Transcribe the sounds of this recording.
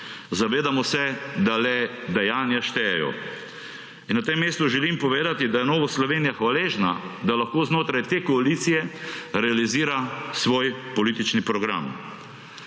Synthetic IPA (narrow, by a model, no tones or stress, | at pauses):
zaʋeːd̪amɔsɛd̪alɛd̪ɛjaːnjaʃt̪ɛjɛjɔ̰ | inːat̪emːeːst̪uʒɛlimpɔʋeːd̪at̪id̪ajɛnɔːʋaslɔʋeːnijaxʋaleːʒnad̪alaxkoːznoːt̪ɾajt̪eːkɔaliːt̪sijɛɾɛaliziːɾasʋoːjpɔliːt̪it͡ʃnipɾɔɡɾa̰m